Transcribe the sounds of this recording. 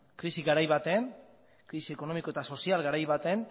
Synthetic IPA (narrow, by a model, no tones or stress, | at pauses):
kɾisiɣaɾajβat̪e̞n | kɾisie̞ko̞no̞miko̞e̞t̪aso̞sialɣaɾajβat̪e̞n